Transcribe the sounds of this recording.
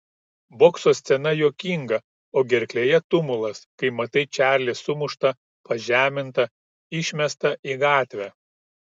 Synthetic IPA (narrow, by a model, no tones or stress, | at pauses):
boːksoːsʲt̪sʲɛnɐjoːkʲiːŋɡɐ | oːɡʲɛɾʲklʲeːjɛt̪ʊmʊlˠɐskɐɪmɐt̪ɐɪt͡ʃʲæːɾʲlʲɪsʊmʊʃt̪ɐ | pɐʒʲæːmʲɪnt̪ɐ | ɪʃʲmʲɛst̪ɐʔiɡɑːt̪ʲʋʲɛ